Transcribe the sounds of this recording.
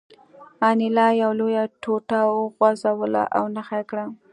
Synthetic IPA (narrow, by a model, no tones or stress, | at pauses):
ɑnɪlɑjawlojaʈʰoʈawəɣwazawəla̰ʔa̰wnaxakɽa